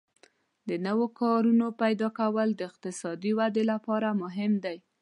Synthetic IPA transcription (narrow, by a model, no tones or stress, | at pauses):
d̪ənəwokɑɾunopajd̪ɑkawəld̪əɪqt̪ɪsɑd̪iwad̪elapɑɾamʊɦɪmd̪aj